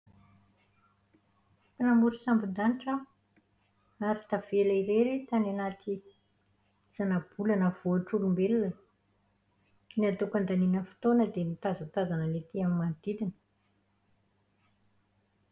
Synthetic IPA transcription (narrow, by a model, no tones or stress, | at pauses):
pinamuɾusambid̪aniʈ͡ʂə | aɾit̪av̥elaiɾeɾet̪ananat̪ʰi | z̥anab̥ulanəv̥oaʈ͡ʂuɾumbelunə | niat̪okand̪aninəfi̥t̪onəd̪emit̪azat̪azanənet̪iamimand̪̥id̪inə̥